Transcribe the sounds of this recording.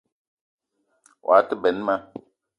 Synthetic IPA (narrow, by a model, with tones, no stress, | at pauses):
wʔa̰˨˦tə˦bɛ˨n˦ma˦